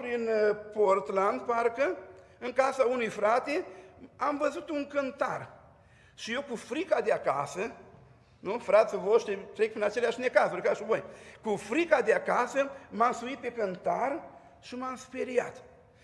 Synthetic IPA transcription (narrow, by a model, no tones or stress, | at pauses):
pɾinport̪land̪paɾkə | ɨŋkasaunujfɾat̪eamvəzut̪uŋkənt̪ar | ʃiiwkufɾikad̪eaka̰sə | nufɾat̪səvoʃt̪ɾit̪ɾek̚pinat͡ʃeleaʃnekasuɾekaʃubojkufɾikad̪eakasəmamsuit̪̚pekənt̪ar | ʃimamspeɾia̰t̪